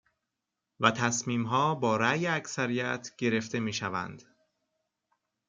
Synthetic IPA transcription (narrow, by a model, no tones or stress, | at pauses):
væt̪ʰæsmiːmɦɒːbɒːɾæjeæcsæɾijæt̪ʰɟ̥e̞ɾe̞ft̪e̞miːʃævæ̰nd̪̥